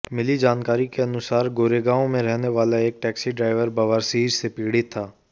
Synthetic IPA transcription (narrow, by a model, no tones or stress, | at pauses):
mɪlid͡ʒaːnkaːɾikeɐnʊsaːɾɡoːɾeɡaːõmẽɾɛɦneʋaːlaeːk̚ʈɛːksiɖɾaːɪʋəɾbɐʋaːɾsiːɾsepiːɽit̪ʰːaː